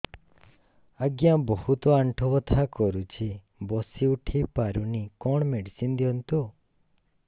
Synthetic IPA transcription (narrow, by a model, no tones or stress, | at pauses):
aɡjabɔhut̪ɔaɳʈʰɔbɔt̪ʰakɔɾut͡ʃʰi | bɔsiuʈʰipaɾunikɔɳ̃ɔmeɽisind̪iɔnt̪u